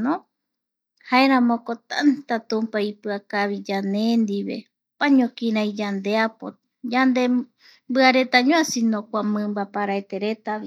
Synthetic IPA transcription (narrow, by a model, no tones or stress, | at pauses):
nõ | haeɾãmõkot̪a̰nt̪at̪ũmpaipɨakaβid͡ʒanend̪iβe̞̰ | paɲõkĩɾãjd͡ʒand̪e̞apo | d͡ʒand̪e | mbɨaɾe̞t̪aɲõasinõkʷamɨ̃mbapaɾaet̪e̞ɾe̞t̪aβi